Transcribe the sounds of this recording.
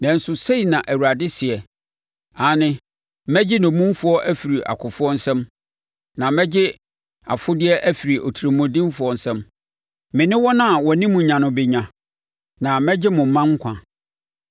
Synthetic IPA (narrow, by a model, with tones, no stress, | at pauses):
nɛ̃˨n̩˦sʊ˨se˦i˨nã˨ʔæ˨wu˨ɾa˨dɪ˦sɪ˨ɛ˨ | a˨˦nɪ̃˦ | mæ˦d͡ʑɪ˦nɔ̃˨mũ˦m˦fʊ˦ɔ˦ʔæ˦fi˨ɾi˨ʔa̰˨kʰʊ˨fʊ˦ɔ˦n̩˦sɛ̃˦m | nã˨mɛ̃˦d͡ʑɪ˦ | a̰˨fʊ˦dɪ˦ɛ˦ʔæ˦fi˨ɾi˨ʔo̰˨tʰu˨ɾi˨mʊ̃˨dĩ˦m˦fʊ˨˦ɔ˨n̩˨sɛ̃˦m | mɪ̃˨nɪ̃˦wɔ˦nã˦˨wɔ˨˦nĩ˦mʊ̃˨ɲã˨nʊ̃˦bɪ˨ɲã˨ | nã˨mɛ̃˦d͡ʑɪ˦mʊ̃˨m̩˨˦mã˦ŋ̩˦kʷʰã˨